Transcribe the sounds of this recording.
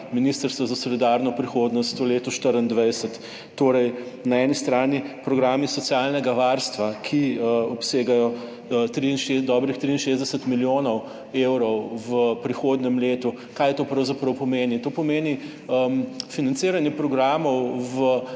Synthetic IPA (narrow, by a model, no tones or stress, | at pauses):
minist̪əɾst̪ʋɔzasɔlid̪aɾnɔpɾixoːd̪nɔst̪ɔleːt̪ɔʃt̪əɾənd̪ʋɛjsɛt̪ː | oːɾɛjnaɛnist̪ɾaːnipɾɔɡɾaːmisɔt̪sjalnɛɡaʋaɾst̪ʋakʰiɔpseːɡajɔ | t̪ɾiinʃed̪ɔːbɾixt̪ɾiːnʃeːzd̪ɛsɛt̪miljonɔw | ewɾɔwʋəpɾixoːd̪nɛmleːt̪u | kajt̪oːpɾɐwzapɾɐwpɔmeːnit̪oːpɔmeːni | əmfinant̪siːɾanjɛpɾɔɡɾaːmɔwʋə